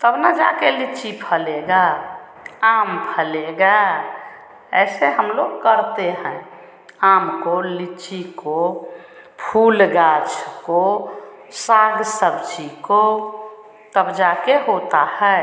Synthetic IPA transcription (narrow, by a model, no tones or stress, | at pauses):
t̪əbnad͡ʒa̰kelit͡ʃipʰəleɡa | ampʰəleɡa | ɛ̰seɦəmloɡkəɾt̪eɦɛ̃ | amkolit͡ʃiko | pʰulɡat͡ʃʰko | saɡsəbd͡ʒiko | t̪əbd͡ʒakeɦot̪ahɛ